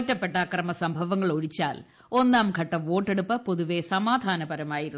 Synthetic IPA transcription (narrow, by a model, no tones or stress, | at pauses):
tːɐpːe̞ʈːɐkrɐmɐsɐmbʱɐʋɐŋːɐɭo̞ɻit͡ɕːa̰ːl | o̞nːaːmɡʱɐʈːɐʋo̞ːʈːe̞ɽupːɐpoðuʋesɐmaːd̪ʱaːnɐbɐɾɐmaːjiɾun